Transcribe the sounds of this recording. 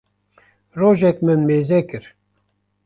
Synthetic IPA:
roːʒɛkmɨnmeːzɛkɨɾ

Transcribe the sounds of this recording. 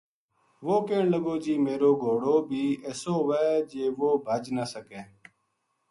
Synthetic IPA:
ʋoːkeːɳləɡoːd͡ʒiːmeːɾoːɡʱoːɽoːbʱiːɛːsoːʋɛːd͡ʒeːʋoːbʱəd͡ʒnəsəkeː

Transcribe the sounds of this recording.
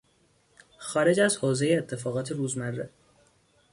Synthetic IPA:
xɒːɾe̞d͡ʒæzhoːze̞jeːt̪ʰːe̞fɒːɣɒːt̪ʰeɾuːzmærːḛ

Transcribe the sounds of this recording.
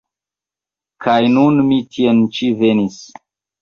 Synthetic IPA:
kʰajnunmitʰient͡ʃivenis

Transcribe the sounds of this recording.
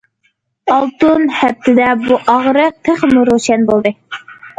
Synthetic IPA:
ɑlˠt̪unhæp̚t̪ʰɪd̪ɛbuʔɑʁɾɨt̪ʰəχmuɾoʃɛnbolˠd̪ɨ

